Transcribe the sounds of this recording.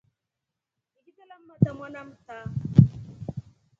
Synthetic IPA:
iɡitalam̩matamanam̩ta

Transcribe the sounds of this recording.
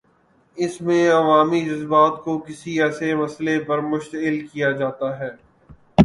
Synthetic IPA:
ɪsmẽɐʋaːmid͡ʒɐzbaːt̪kokɪsiɛːsemɐslepɐɾmʊʃt̪əɪlkijad͡ʒaːt̪aɦɛː

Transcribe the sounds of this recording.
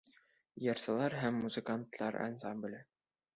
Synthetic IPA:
jɑɾsɤ̆lˠɑɾɦæmːuzɨ̆kant̪lˠɑ̰ɾʔɑ̰nzɑmb̆lʲɘ

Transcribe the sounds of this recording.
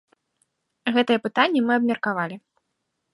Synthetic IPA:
ɣɛt̪ɐjɛpɨt̪anʲːɛmɨɐbmʲɐrkavalʲi

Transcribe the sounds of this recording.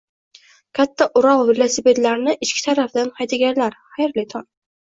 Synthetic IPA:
kʲʰat̪ʰːaʔʊɾɒlvilˠasipet̪laɾnɪʔɪt͡ʃkʲɪ̥t̪ʰaɾafd̪anhɑjd̪ɪɡʲanlaɾχajɾlɪt̪ʰɒn

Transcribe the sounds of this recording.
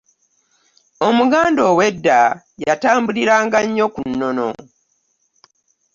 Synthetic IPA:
o̞muɡaːndo̞ːwe̞dːa | jataːmbuliɾaːŋɡaɲːo̞kunːo̞no̞̰

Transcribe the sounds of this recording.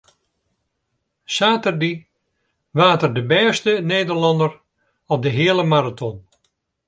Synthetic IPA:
saːtərdi | ʋaːtərdəbɛːstəneːdərlɑndər | ɔp̚dəɦɪːəlˠəmaɾatʰɔn

